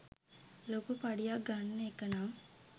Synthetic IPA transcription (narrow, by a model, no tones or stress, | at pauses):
lokupaɖijak̚ɡanːəekənaːm